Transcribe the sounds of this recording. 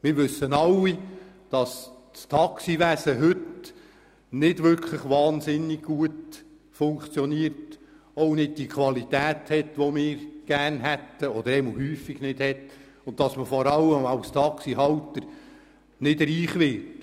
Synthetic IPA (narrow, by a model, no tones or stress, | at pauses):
mɪɾʋɵsːənɑlːi | d̥ɑs | st̪ʰɑksiʋæsəɦɵt | nɪd̥ʋʏɾkʰləχʋɑːnsɪnːiɡ̥̚ɡ̥uət | fʊŋkt͡sjɔniəɾt | ownɪd̚d̥ikʰχʋɑlit̪æːthɛtʋɔmɪːɾɡ̥æːɾnɦæt̪ːəɔd̪əɾɛməlhyːfːiɡ̥nɪdhɛt | ʊntɑsməfɔɾɑlːəmɑwst̪ʰɑksiɦɑwtəɾ | nɪdɾiːχʋɪt